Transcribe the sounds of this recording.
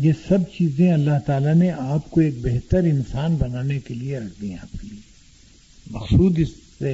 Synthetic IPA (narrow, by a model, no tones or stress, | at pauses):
jesɐbt͡ʃiːzẽɐlːaɦt̪aːlaneʔaːp̚koeːk̚beɦt̪əɾɪnsaːnbɐnaːnekelieɾɐkʰd̪ĩɦẽa̰ːp̚kelie | mɐxsuːd̪ɪs | e